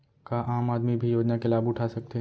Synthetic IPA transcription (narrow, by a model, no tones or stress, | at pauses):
kaʔaːmaːd̪mibʱijoːd͡ʒnakelaːbʊʈʰasɐk̚t̪eɦ